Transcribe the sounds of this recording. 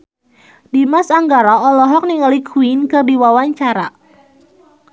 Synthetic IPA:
dimasaŋɡaɾaɔlɔɦɔk̚niŋalikʰuinkɨrdiwawaɲt͡ʃaɾa

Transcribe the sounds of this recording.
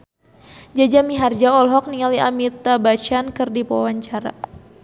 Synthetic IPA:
d͡ʒad͡ʒamiɦard͡ʒaɔlɦɔk̚niŋaliʔamit̪abat͡ʃankɨrdipawaɲt͡ʃaɾa̰

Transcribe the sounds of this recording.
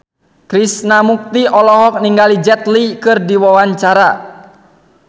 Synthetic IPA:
kɾisnamuk̚t̪iʔɔlɔɦɔk̚niŋɡalid͡ʒɛt̪likɨrdiwawaɲt͡ʃaɾa

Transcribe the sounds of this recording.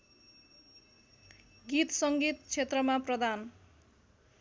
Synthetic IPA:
ɡit̪sʌŋɡit̪t͡sʰet̪rʌmaprʌd̪an

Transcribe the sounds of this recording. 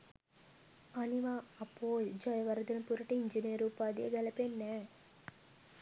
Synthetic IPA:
ɐniʋaɐpːoːld͡ʒɐjɐʋɐɾɐd̪ɐnɐmpuɾɐʈɐiɲd͡ʒiniɾuːpaːd̪ḛːɡɐlɐpenːe

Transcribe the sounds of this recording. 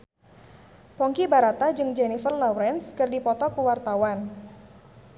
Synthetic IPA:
pɔŋkibaɾat̪ad͡ʒɨŋd͡ʒɛnifərlawɾɛnskɨrdipɔt̪ɔkuwart̪awan

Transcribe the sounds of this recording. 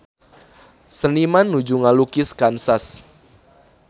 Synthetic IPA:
sənimanːud͡ʒuŋalukɪskansas

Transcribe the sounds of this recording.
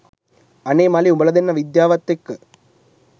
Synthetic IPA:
ɐneːmaːliubɐɭɐðɪnːɐʋid̪jaːʋɐt̪ːɯkːɯ

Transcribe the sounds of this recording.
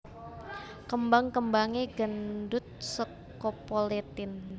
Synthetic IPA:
kəmbaŋkəmbaŋeɡəndʊt̪̚sə | kopolet̪ɪn

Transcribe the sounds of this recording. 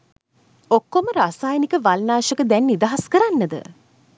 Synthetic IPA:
okːoməɾasaːjənikəʋalnaːʃəkəd̪ɛnːid̪aɦaskəɾanːəd̪ə̰

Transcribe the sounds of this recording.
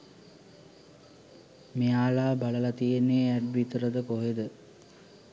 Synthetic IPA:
mijaːlaːbaləlat̪ijenːeːæɖʋit̪əɾəd̪əkoɦed̪ə

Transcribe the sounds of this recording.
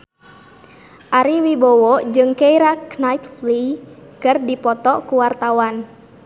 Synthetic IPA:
ʔaɾiwibɔwɔd͡ʒɨŋkeiɾaknajt̪flikɨrdipɔt̪ɔkuwart̪awan

